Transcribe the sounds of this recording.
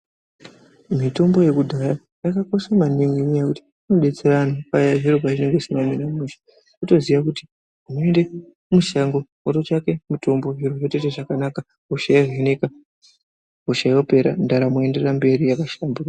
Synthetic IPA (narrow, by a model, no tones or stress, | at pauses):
mito̞mbo̞je̞kudʱaja | jakako̞ʃamaneŋɡeɲijakuti̥ | anoɗe̞t͡se̞ɾanapajaʐiropaʐine̞ŋɡesimaminamuʃḁ | kuto̞ziʋakuti̥ | umoende | muʃaŋɡo | oɾot͡ʃake̞mito̞mbo̞ɦiroroteteʐakanaka | ɦuʃajaɦeneka | ɦuʃajwape̞ɾa̰ndaɾamoe̞nde̞rambe̞ɾijakaʃambura